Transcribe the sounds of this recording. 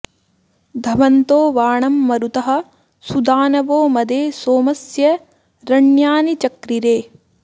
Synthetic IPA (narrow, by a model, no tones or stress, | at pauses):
d̪ʱɐʋɐnt̪oːʋaːɳɐmːɐɾut̪ɐɦɐ̆ | sud̪aːnɐʋoːmɐd̪eːsoːmɐsjɐ | ɾɐɳjaːnit͡ʃɐkɾiɾeː